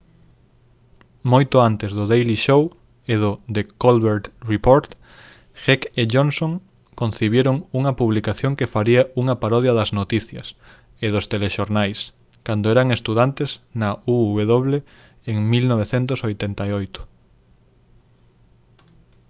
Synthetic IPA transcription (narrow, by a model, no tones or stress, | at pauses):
mojt̪ʊant̪ezðʊðejliʃow | eðʊðekolβeɾt̪ripoɾt̪ | xekeʝonsoŋ | kõn̟θiβ̞jeɾoŋuŋɐpuβlikaθjoŋkefaɾiɐuŋɐpaɾɔðjɐðɐznot̪iθjɐs | eðʊst̪eleʃoɾnajs | kand̪oɛɾɐŋest̪uðant̪esnɐuːβeðoβle | eŋmilnoβ̞eθent̪ʊsojt̪ent̪ajojt̪ʊ̥